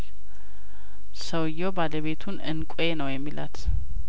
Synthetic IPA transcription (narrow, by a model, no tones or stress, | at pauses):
səwɨjːobaləβe̞t̪ʰunɨnkʼenəwjɛmːilʔa̰t̪